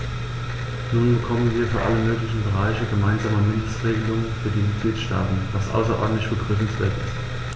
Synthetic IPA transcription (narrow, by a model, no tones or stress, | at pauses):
nuːnbəkʰɔmənviːɐfyːɐʔaləmøːklɪçn̩bəʁ̞aɪçəɡəmaɪnzaːmɐmɪndəstʁeːɡəlʊŋnfyːɐdiːmɪt̚ɡ̥liːtʃta̰ːtn̩vasʔa̰ʊsɐʔɔ̰ɐdn̩tlɪçb̥əɡʁyfn̩sv̥ḛːɐtɪst